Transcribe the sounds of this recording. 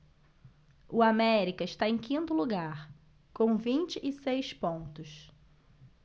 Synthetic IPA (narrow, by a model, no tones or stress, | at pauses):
ʊamɛɾikɐɪʃt̪aẽj̃kʰĩnt̪ʊluɡaɾ | kõw̃vĩnt͡ʃɪʔɪsejspõnt̪ʊs